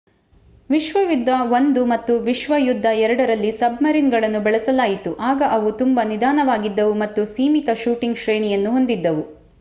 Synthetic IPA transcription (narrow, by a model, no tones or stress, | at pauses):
ʋiʃʋɐjud̪ʱːɐʋond̪umɐt̪ːuʋiʃʋɐjud̪ʱːɐɛɾɐɽɐɾɐlːisɐbmɐɾinɡɐɭɐnːubɛɭɛsɐlaːjit̪uʔaːɡɐʔɐʋut̪umbɐnid̪ʱaːnɐʋaːɡid̪ːɐʋumɐt̪ːusiːmit̪ɐʃuːʈiŋɡʃɾeːɳijɐnːuɦo̞nd̪id̪ːɐʋu